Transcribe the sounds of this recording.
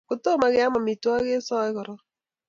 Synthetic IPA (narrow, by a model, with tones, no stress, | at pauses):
kʊ˨to˦ma˦ɣɪ˦a˦ma˨mi˨twa˦ɣe˦sɔ˦ɣɔ˨ɾɔ˦